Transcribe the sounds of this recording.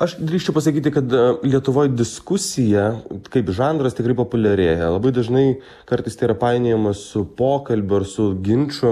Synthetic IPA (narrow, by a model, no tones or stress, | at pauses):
ɐʃd̪ʲɾʲiːʃʲt͡ʃʲɛʊpɐsɐkʲiːt̪ʲɪkɐt̪lʲiɛt̪ʊʋoːjd̪ʲɪskʊsʲɪjɛkɐɪpʒɑːnd̪ɾɐst̪ʲɪkɾɐɪpoːpʊlʲɛɾʲeːjɛlˠɐbɐɪd̪ɐʒnɐɪ | kɐɾt̪ɐɪst̪ɐiːɾɐpɑɪnʲeːjɛmɐsʊpoːkɐlʲbʲʊɐɾsʊɡʲɪnʲt͡ʃʲʊ